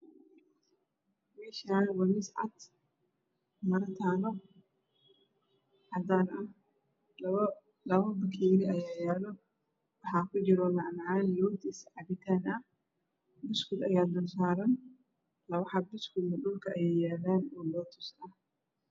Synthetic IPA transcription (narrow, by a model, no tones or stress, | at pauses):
mɛːʃaːnwɐmɪsʕa̰d̪ | mɐɾɐt̪ʰaːnɔ | ʕɑd̪aːnɐh | lɐβɐbɐkʰɛːɾɪʔɐjaːjaːlɔ | wɑħaːkʰʊd͡ʒɪɾɔmɑʕnɐʕaːnlɔːt̪ɪsʕɑbɪt̪ʰaːnɐh | mʊskʊd̪ɐjaːd̪ɔsaːɾɐn | lɐβɐħabɪskʊmɐɗʊlkʰɐʔɐjɛːjaːlaːnɔːlɔːt̪ʰʊsɐh